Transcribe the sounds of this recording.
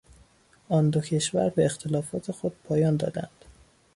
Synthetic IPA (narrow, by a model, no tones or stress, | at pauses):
ʔɒnd̪ocʰe̞ʃvæɾbeext̪ʰelɒːfɒːt̪ʰe̞xo̞d̪̥̚pʰɒːjɒːnd̪ɒ̰ːd̪æ̰nd̪̥